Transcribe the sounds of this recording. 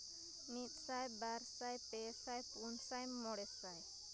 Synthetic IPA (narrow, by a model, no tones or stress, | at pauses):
mit̪̚sajbaɾsajpesajpunsajmɔɽɛsaj